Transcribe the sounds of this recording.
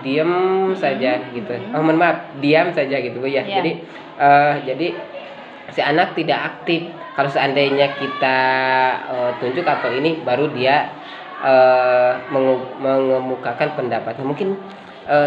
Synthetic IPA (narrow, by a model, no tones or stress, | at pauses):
diəmsad͡ʒaɡit̪uomənmap̚diamsad͡ʒaɡit̪ubəjad͡ʒadi | ʔəd͡ʒadi | sianak̚t̪idakak̚t̪ɪf | kalosəandajɲakit̪a | ət̪uɲd͡ʒʊkat̪awinibaɾudia | ə | məŋməŋəmukakanpəndapat̪̚ɲamuŋkɪn | ə